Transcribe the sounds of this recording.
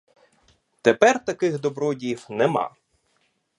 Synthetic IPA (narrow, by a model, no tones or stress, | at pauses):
t̪epɛrt̪ɐkɪɣd̪ɔbɾɔdʲijiwnɛmɑ̰